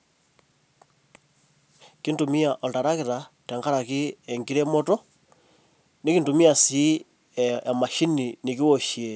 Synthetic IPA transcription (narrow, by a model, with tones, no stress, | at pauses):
ki˦ntu˨mi˦a˨ʔo˨ta˨ɾa˦ke˨ɾa˨te˨ŋɡa˦ɾa˨ki˦e˨ŋɡi˦ɾe˦moto | ni˦ki˦ntu˨mi˦a˨si˨˦˨ | ma˨ʃi˦ni˨ni˨ki˦wo˨ʃie